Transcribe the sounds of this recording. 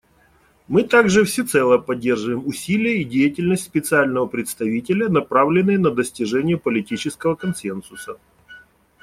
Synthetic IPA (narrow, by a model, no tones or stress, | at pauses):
mɨt̪aɡʐɨfsʲɪt̪sɛlˠəpɐdʲːe̞rʐɨvəjɪmʊsʲilʲɪjəidʲejɪtʲɪlʲnəsʲtʲspʲɪt̪sɨalʲnəvəpɾʲɪt̪st̪ɐvʲitʲɪlʲənɐpɾavlʲɪnːɨjənəd̪əsʲtʲɪʐɛnʲɪjəpəlʲɪtʲit͡ɕɪskəvəkɐnsɛnsʊsə